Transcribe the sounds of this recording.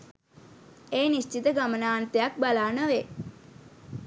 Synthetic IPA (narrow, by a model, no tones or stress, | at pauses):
eːnist͡ʃit̪əɡamənaːnt̪ejak̚balaːnəʋe